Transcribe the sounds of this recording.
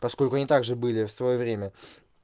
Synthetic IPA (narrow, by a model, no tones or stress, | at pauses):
pɐsko̞lʲkʊɐnʲit̪aɡʐɨbɨlʲɪfsvɐjovɾʲemʲə